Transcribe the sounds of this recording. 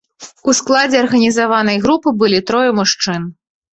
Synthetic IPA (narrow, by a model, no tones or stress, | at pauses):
usklˠad͡zʲɛɐrɣɐnʲizavanɐjɣɾupɨbɨlʲit̪ɾɔjɛmuʂt͡ʂɨn